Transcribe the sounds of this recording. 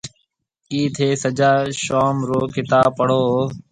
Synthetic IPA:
kiːt̪ʰeːsəd͡ʒaːʃoːmɾoːkɪt̪aːpəɽ̤oː

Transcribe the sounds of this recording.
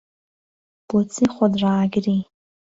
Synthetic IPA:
b̥ot͡sʰiχʷɔdraːɡʲri

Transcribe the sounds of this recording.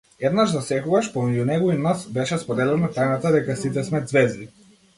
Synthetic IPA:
ɛd̪naʃzasɛkɔɡaʃpɔmɛɟunɛɡɔinasbɛʃɛspɔd̪ɛlɛnat̪ajnat̪ad̪ɛkasit̪̬ɛsmɛd̪zvɛzd̪i

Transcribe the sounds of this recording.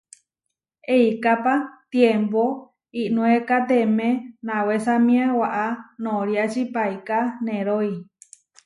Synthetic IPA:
eikapat̪jempo | iʔnũekat̪emẽnãwesamĩawaʔanõɾiat͡ʃipaikanẽɾoi

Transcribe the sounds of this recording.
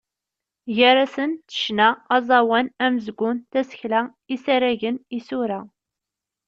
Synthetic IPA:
ʝæɾæsənt̪ə̥ʃnæɑzˤɑwænæməzɡʷːʊnt̪æsə̥çlæ | isæɾæʝənisuɾæ

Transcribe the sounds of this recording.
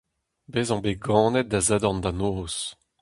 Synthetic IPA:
beːzɑ̃beɡɑ̃ːnɛt̪̚d̪azad̪ɔnd̪anoːs

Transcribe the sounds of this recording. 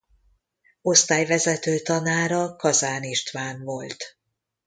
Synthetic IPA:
o̞st̪aːjvɛzɛt̪øːt̪ɒnaːɾɒkɒzaːniʃt̪ʋaːnvo̞lt̪

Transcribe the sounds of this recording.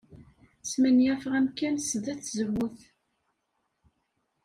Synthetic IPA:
smænjæfʁæmkːænsəðæt͡sːzəwʊθ

